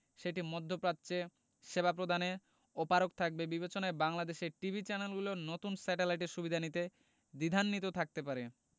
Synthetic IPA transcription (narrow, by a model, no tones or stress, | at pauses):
ʃeʈimod̪ʱːopɾatːɕe | ʃebapɾod̪ʱane | opaɾok̚t̪ʰak̚bebibet͡ɕonaebaŋlad̪eʃeʈibʱit͡ɕɛnelɡulonot̪unsɛʈelajʈ̬eɾʃubid̪ʱanit̪e | d̪id̪ʱanːit̪ot̪ʰak̚t̪epaɾe